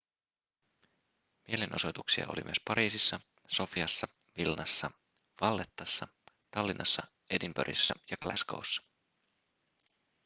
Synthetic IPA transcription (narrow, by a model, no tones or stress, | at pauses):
mie̞lenʔo̞̰sot̪uksiɑ̰ʔo̰limy̰øspɑɾiːsisːɑ | so̞fiɑsːɑ | ʋilnɑsːɑ | ʋɑlːet̪ːɑsːɑ | t̪ɑlːinʔɑsːɑ | e̞dimbøɾʔḭsːɑjɑklæsko̰wsːɑ̥